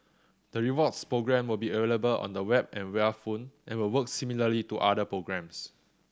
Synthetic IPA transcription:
d̥əɹivɔtspɹoɡɹɛ̃mwilbiəveləbəlɔ̰̃ndəwɛb̚ɛ̃nwɛəfõnʔɛ̃nwilwək̚similəlituʔadəpɹoɡɹɛ̃ms

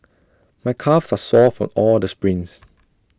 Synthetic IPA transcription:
majkʰafsasɔfɹɔ̰̃mɔldəspɹĩŋs

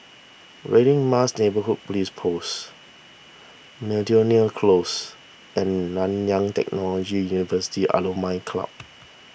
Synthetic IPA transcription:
ɹeɾĩŋmasnebəɦut̚polispʰos | mɛdioniəlkʰlos | ɛ̃nːãnjãŋtɛ̰k̚nɔlɔd͡ʒijunivəsi̥tiʔa̰lomãɪnkʰla̰p̚

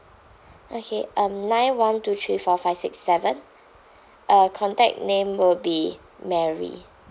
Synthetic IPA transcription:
ʔokʰeʔʌ̃mnãɪ̃nwãntut̪ʰɹiːfɔfaɪvsɪksːɛvə̃n | ʔəkʰɔ̃ntɛ̰k̚nẽmwɪlbi | mɛɹḭ

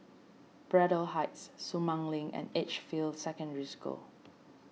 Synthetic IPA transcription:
b̥ɹɛɾəlɦaɪtsːumãŋlĩŋɛ̰̃net͡ʃfildsɛkə̃ndɹisko̰

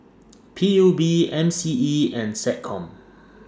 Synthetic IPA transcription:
pʰijubiɛ̃msiiɛ̃nsɛt̚kʰɔ̃m

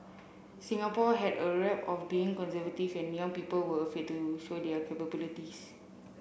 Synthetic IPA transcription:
sĩŋapɔɦɛdəɹɛpɔfbiĩŋkɔ̃nsəvətifɛ̃njãŋpipəlwəəfetːuʃodɛkʰepəbilitis

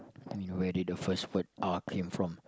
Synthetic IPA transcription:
amĩnwɛdidəfəstwət̚ʔakʰẽmfɹɔ̃m

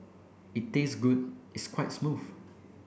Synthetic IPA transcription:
it̚tːesɡud̚itskwaɪtsmuf

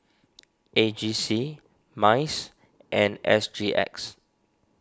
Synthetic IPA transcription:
ʔed͡ʒisi | maɪs | ʔɛ̃nɛ̰sdɹiʔɛ̰ks

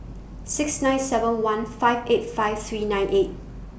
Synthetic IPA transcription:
sɪksnãj̃nsɛvə̃nwãnfaɪvet̚faɪvt̪ʰɹiːnãj̃nʔet̚

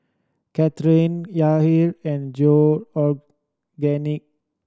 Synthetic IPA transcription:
kɛt̪ɾĩnjaɦiɾɛ̃nd͡ʒoɔ | ɡɛnik̚

